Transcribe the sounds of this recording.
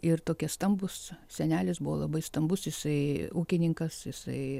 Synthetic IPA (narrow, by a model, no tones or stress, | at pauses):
ɪrt̪oːkʲɛsst̪ɐmbʊssʲɛnʲæːlʲɪsbʊʋoːlˠɐbɐɪst̪ɐmbʊsjɪsɐɪuːkʲɪnʲɪŋkɐsjɪsɐ̰ɪ